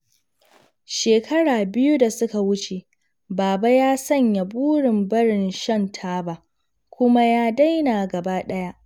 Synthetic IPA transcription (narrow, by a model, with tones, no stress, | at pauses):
ʃeː˨kʰɐ˦ɽaː˨bɪ˦ju˦da˨sʊ˦ka˨wʊ˦t͡ʃe˨ | baː˨ba˦jaː˦sɐ˦˨ɲja˨buː˦ɽɪ˨mbɐ˦ɽɪ˨nʃɐ˦ntʰaː˦ba˦˨ | kʷʊ˦ma˦jaː˦da˦jnaː˨ɡɐ˨baː˦ɗɐ˦ja˦ʔ